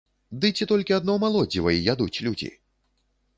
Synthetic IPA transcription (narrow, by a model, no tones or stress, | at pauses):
d̪ɨt͡sʲɛt̪ɔlʲkʲiad̪nɔmalˠɔd͡zʲivɐjijad̪ut͡sʲlʲud͡zʲḭ